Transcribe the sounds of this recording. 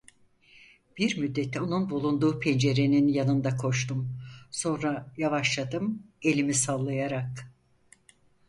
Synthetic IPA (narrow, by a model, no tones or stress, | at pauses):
b̥iɾmyd̪ːe̞t̪ʰːɛo̞nunbulˠund̪uːpʰend͡ʒe̞ɾeninjanɯnd̪akʰo̞ʃt̪umso̞nɾajavaʃlˠad̪ɯme̞lʲimisalˠːajaɾak